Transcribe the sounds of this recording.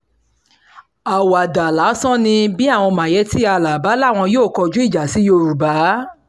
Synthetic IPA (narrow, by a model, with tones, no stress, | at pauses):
a˨wa˨da˨la˨˦sɔ̃˦nĩ˧bi˦a˦˨w̃ɔ̃˧mã˨jɛ˧˦ti˦a˧˨la˨ba˨˦la˦˨w̃ɔ̃˧joː˦˨kɔ˧d͡ʒu˦i˦˨d͡ʒa˨si˨˦jo˧ɾu˨ba˨˦